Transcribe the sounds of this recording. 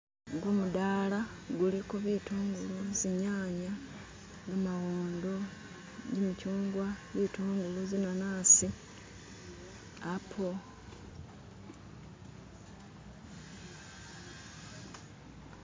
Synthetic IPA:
ɡumudaːla | ɡulikoβituːŋɡuluziɲaːɲa | ɡamawuːnd̪o | ɟimucuːŋɡwaβiːtuːŋɡuluzinanaːsi | apʰo

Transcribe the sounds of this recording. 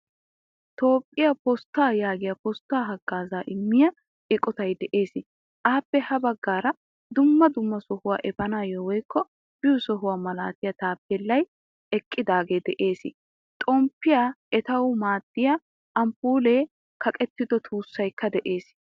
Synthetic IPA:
t̪o̞ːpʼːɪjɐpɔst̪ːaːjaːɡɪjɐpɔst̪ːaːɦɐɡːaːzaːʔɪmːɪjɐ | ɪkʼɔt̪ɐjd̪ɛʔe̞ːsɪ | ʔaːpːɛhɐbɐɡːaːɾɐ | d̪ʊmːɐd̪ʊmːɐsɔhʊwaːʔɛbɐnaːjɔwɔjkʰːɔ | b̥ɪjʊsɔɦʊwaːmɐla̰ːt̪ɪjɐt̪aːpːɛlːɐj | ɛkʼːɪd̪aːɡe̞ːd̪ɛʔe̞ːsɪ | t̪ʼɔmpːɪjaʔɛt̪ɐwmaːt̪ːɪja | ʔɐmpuːleː | kʰɐkʼɛt̪ːɪd̪ɔt̪ʰuːsːɐjkːɐd̪ɛʔe̞ːs

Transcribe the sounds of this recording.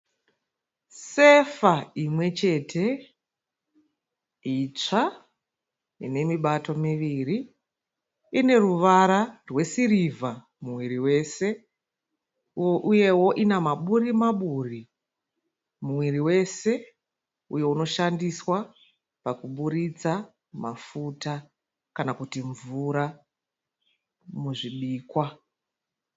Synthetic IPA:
se̞faimwe̞t͡ʃe̞tʰe̞ | it͡ʂa | ḭne̞miɓato̞miʋiri | ne̞ruʋaɾarwe̞sirivʱa | muwiriwe̞se̞ | ʔuje̞wo̞ʔinamaɓuɾimaɓuri | mumwiriwe̞se̞ | uje̞uno̞ʃandiswa | pakuɓuɾit͡sa | mafuta | kanakutiɱvuɾa | muʐiɓiːkwa

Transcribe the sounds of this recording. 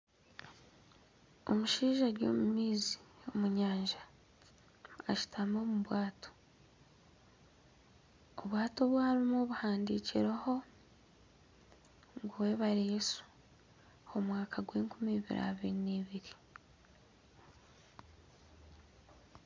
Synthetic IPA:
o̞muʃiːʒaɡjo̰ːmumiːziomuɲaːɲʒa | aʃi̥tʰamoːmuβwaːtʰo̥ | oβwaːto̞βwaːɾimoːβuhaːndiːciɾaho̞ | ŋɡuweβaɾesu̥ | omwaːkʰaɡwe̞ːŋkumiːβḭɾʔa̰βiɾiniːβiɾi

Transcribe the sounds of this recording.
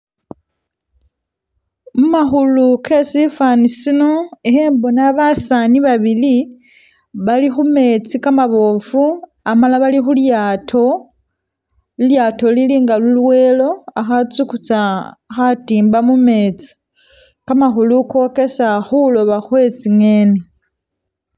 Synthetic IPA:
mumaxuluke̞sifanisino̞eheːmbo̞naβasaniβaβili | βalixume̞t͡sikamaβo̞fu | amalaβalixuljatʰo | iljaːto̞liliːŋɡalulwe̞ːlo̞axat͡sukut͡saxatiːmbamume̞t͡si̥ | kamaxuluko̞ke̞saxulo̞βaxwe̞t͡siŋe̞ne

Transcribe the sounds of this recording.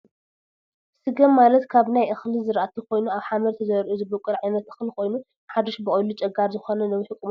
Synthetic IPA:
sɨɡɐmːalɐt̪kʰaβnajʔɨxlizɨɾʔat̪ʰikʰo̞jnuaβħamɐɾt̪ʰɐzɐɾʔuzɨbɐkʷʼːɨɾʕajnɐt̪ɨxlikʰo̞jnu | ħad̪oʃbɨkʼojlut͡ʃʼɐɡaɾzɨxonɐnɐwiħɨkʼːum

